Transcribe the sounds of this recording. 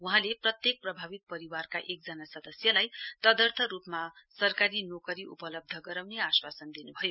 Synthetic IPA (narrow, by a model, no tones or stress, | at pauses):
wuɦãleprʌt̪jek̚prʌbʱabit̪̚pʌɾiwarkaʔek̚d͡zʌnasʌd̪ʌsjʌlajt̪ʌd̪ʌrt̪ʰʌɾupmasʌrkaɾinokʌɾiʔṵpʌlʌb̚d̪ʱʌɡʌɾawneaswasʌnd̪inubʱʌjo